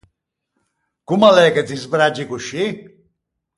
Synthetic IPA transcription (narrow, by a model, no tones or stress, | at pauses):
ɡ̥umalɛːkʼɛt̪izbɾad͡ʒikuʃi